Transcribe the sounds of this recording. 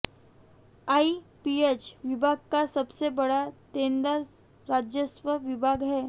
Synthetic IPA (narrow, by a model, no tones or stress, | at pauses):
aipiet͡ɕʋibʱaɡ̚kasəbsebəɽat̪end̪as | ɾad͡ʑjəsʋəʋibʱaɡɦɛ